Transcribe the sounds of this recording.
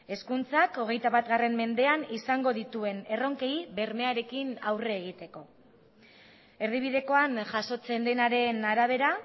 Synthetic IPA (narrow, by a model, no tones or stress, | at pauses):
e̞skunt͡sako̞ɣ̞e̞jt̪aβat̪ɣare̞mme̞nd̪e̞anisaŋɡo̞ðit̪ue̞ne̞ro̞ŋke̞iβe̞ɾme̞aɾe̞kinawre̞ːɣ̞it̪e̞ko̞ | e̞ɾðiβ̞iðe̞ko̞anʝaso̞t͡se̞nd̪e̞naɾe̞naɾaβ̞e̞ɾa